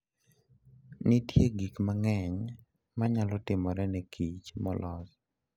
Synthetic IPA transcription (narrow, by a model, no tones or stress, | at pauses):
nitjeɡikmaŋɛɲ | maɲalɔtɪmɔɾɛnɛkʰit͡ʃmɔlʔɔs